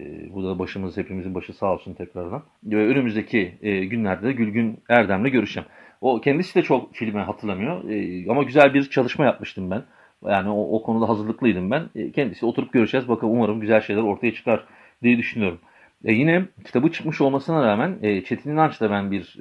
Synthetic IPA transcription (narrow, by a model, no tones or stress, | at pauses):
bud̪abaʃɯmɯzhe̞pʰimizinbaʃɯsaːlˠsunt̪ʰɛcɾaɾd̪an | vɛønymyzd̪e̞cʰiɟynlʲæɾd̪ɛd̪ɛɟylʲɟynæɾd̪æmlʲɛɟø̞ɾyʃɛm | o̞cʰɛnd̪isid̪ɛt͡ʃʰo̞kfilʲmɛɦat̪ʰɯɾlˠamɯjo̞̰ɛamaɟyzælʲbiɾt͡ʃʰalˠɯʃmajap̚mɯʃt̪ʰɯmbæn | jaːnioʔokʰo̞nud̪aɦazɯɾlˠɯklˠɯjd̪ɯmbænːcʰɛnd̪isid̪o̞t̪ʰuɾup̚ɟø̞ɾyd͡ʒɛːzbakʰɯuaɾɯmɟyzælʲʃe̞jlʲæɾo̞ɾt̪ʰajat͡ʃʰɯ̥kʰaɾ | d̪ijɛd̪yʃynyjo̞ɾum | ɛjinɛcʰi̥t̪ʰabɯt͡ʃʰɯ̥kmɯʃo̞lˠmasɯnaɾaːmænɛːt͡ʃʰe̞t̪ʰininant͡ʃt̪abænbiɾ